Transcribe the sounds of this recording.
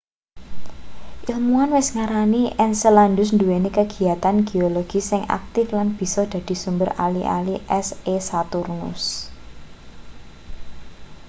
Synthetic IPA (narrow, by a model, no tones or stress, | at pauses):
ʔilmuanwɪsŋaɾaniʔɛnsəland̪ʊs̬nd̪uwenikəɡ̥i̤at̪anɡ̥ioloɡ̥i̤sɪŋʔa̰k̚t̪ɪflanb̥i̤sɔd̪̥ä̤d̪̥i̤sumbəɾa̰liʔa̰liʔɛsesat̪urnʊ̰s